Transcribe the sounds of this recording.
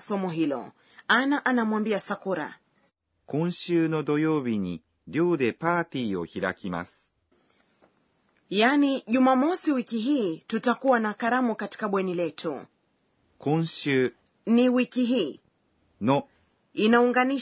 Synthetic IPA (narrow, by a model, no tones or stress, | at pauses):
sɔmɔɦilɔ̰ | anaʔanamwambiasakuɾa̰ | kõɰ̃ɕɨːnod̪ojoːbʲiɲi | ɾʲjoːd̪epaːt̪iːo̰çiɾa̰kʲima̰sɨ̥ | janiʄumamɔsiwikiɦiːtutakuwanakaɾamukati̥kaɓwɛnilɛtʰṵ | kõɰ̃ɕɨː | niwikiɦiː | no | inauŋɡani